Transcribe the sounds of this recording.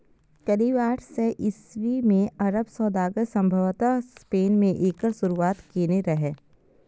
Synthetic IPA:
kɐɾiːbaːʈʰseʔɪsʋimẽɐɾəbsɔːd̪aːɡəɾsɐ̃mbʱəʋt̪aspeːnmẽʔeːkəɾsʊɾuaːt̪keːneɾɐɦeː

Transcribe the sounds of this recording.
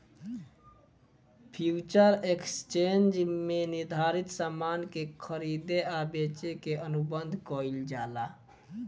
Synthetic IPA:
pʰjut͡ʃəɾekst͡ʃend͡ʒmenɪɾd̪ʱaɾit̪saːmaːnkekʰəɾid̪eabet͡ʃekeʔənubənd̪ʱkɔild͡ʒaːla

